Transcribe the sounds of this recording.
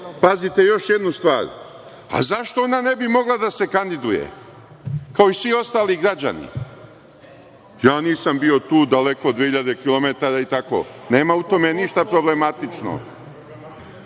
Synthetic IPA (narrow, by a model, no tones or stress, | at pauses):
pazit̪e̞jo̞ʃjed̪nust̪ʋa̰ːɾ | a̰zaʃt̪oonane̞bimo̞ɡlˠad̪ase̞kand̪id̪ujḛ | kao̞isʋio̞st̪aːliɡɾad͡ʑa̰nḭ | jaːniːsambio̞t̪uːd̪ale̞ko̞d̪ːʋehiʎad̪e̞kilˠo̞me̞t̪aɾait̪ako̞̰ne̞ːmaut̪o̞meniʃt̪apɾo̞ble̞mat̪it͡ʃno̰